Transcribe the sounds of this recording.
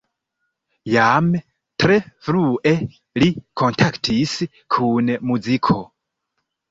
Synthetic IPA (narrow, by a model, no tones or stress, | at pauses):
jam | tɾe̞fɾuʔe̞ | likʰo̞ntʰaktʰis | kʰunmud͡zikʰo